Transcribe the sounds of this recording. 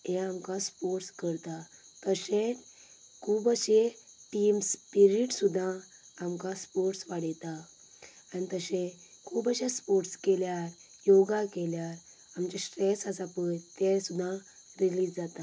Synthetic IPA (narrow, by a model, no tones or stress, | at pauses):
ɦeamkãspoʈskəɾt̪a | t̪əse | kʰuːbaɕeʈimspiɾiʈsud̪ʱã | amkãspɔʈsʋaɽjt̪a | anit̪əɕẽ | kʰuːbaɕaspɔʈskɛljaɾ | joɡakeljaɾ | amt͡ɕasʈɾesasapənt̪esud̪ʱã | ɾilid͡zd͡zat̪a